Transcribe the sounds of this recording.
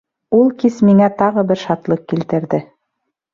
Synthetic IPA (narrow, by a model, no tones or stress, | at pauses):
ulˠkismiŋæt̪ɑʁɤbɘɾʃɑt̪lˠɤq̚kilt̪ɘ̆ɾðɘ